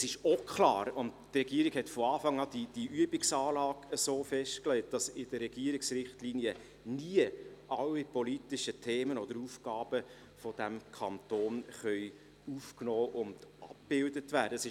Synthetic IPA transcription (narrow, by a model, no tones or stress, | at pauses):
sɪʃokʰlɑ̰ːɾʊndtrɛɡiəɾiɡ̥hɛtfɔɑːfɑŋɑːd̥id̥iʔyəbɪksɑːlɑːɡəsoːfɛʃtklɛɪt̚d̥ɑsɪd̥əɾːɛɡiəɾɪksɾɪχtliːniə | niəʔɑlːipɔlitɪʃətʰeːmənɔd̥̪əɾufɡɑːb̥ə | fɔd̥æmkʰɑntoːnχœʏ | ufknɔːʔʊnd̥ʔɑp̚b̥ɪldətʋæːɾdəəsɪ